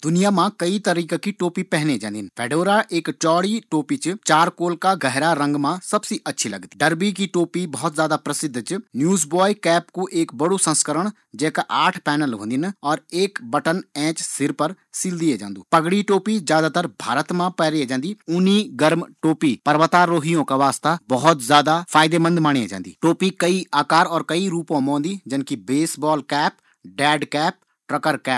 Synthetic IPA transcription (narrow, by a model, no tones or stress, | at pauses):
d̪ʊnijaːmãːkəit̪əɾiːkakiːʈoːpiːpɛɦned͡ʒãːnd̪inpʰɛːɖoːɾaːʔɪːkt͡ʃɔːɽiːʈoːpiːt͡ʃt͡ʃaːɾkoːlkaːɡəɦɾaːɾə̃ŋɡmãːsəbsiːʔətːʃʰiːləɡd̪iɖəɾbiːkiːʈoːpibɔːt̪zjaːd̪aːpɾəsɪd̪ʱːt͡ʃnjuːzbɔːikɛːpkuʔeːkbəɽoːsə̃nskəɾəɳ̃ | d͡ʒɛːkaʔaːʈʰpɛːnəlɦõ̰ːnd̪inɔːɾeːkbəʈənɛ̃ːt͡ʃsɪɾpəɾ | sɪld̪ied͡ʒã̰ːnd̪ṵːpəɡɽiʈoːpizjaːd̪aːt̪əɾbʱaːɾət̪mãpɛːɾied͡ʒãːnd̪iːʊniːɡəɾmʈoːpiːpəɾʋət̪aːɾoːɦijõkaʋaːst̪abəɦʊt̪zjaːd̪apʰaːɪd̪eːmə̃nd̪maːɳ̃ied͡ʒã̰ːnd̪ḭːʈoːpikəiaːkaːɾɔːɾkəiɾuːpõmõːnd̪iːd͡ʒɪnkibeːsbɔːlkɛːp | ɖɛːɖkɛːp̚ | ʈɾəkəɾkɛːp